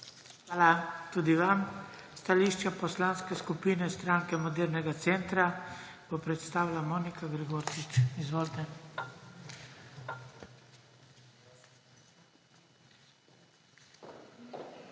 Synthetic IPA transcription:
xʋaːlat̪uːd̪iʋamst̪aliʃt͡ʃapɔslanskɛskupiːnɛst̪ɾaŋkɛmɔd̪ɛɾnɛɡat̪sɛnt̪ɾa | b̥ɔpɾɛt̪st̪aːwlamoːnikʰaɡɾɛɡoːɾt͡ʃit͡ʃizʋoːlt̪ɛ

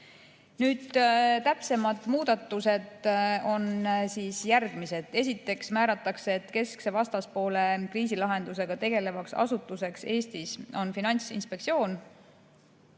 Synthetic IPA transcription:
nyːd̪̥t̪æpse̞mɑd̪̥muːd̪̥ɑt̪ːˑuse̞d̪o̞nsiːsjærɡ̥mise̞d̪̥e̞s̬it̪ːˑe̞ksmæːɾɑt̪ːˑɑkseːt̪ːke̞skse̞vɑst̪ɑspo̞ːle̞kriːs̬ilɑɦe̞nd̪̥use̞ɡ̥ɑt̪e̞ɡ̥e̞le̞vɑksɑ̰sut̪ːˑuse̞kse̞ːst̪iso̞nfinɑnʲsḭnspe̞ksio̞ːn

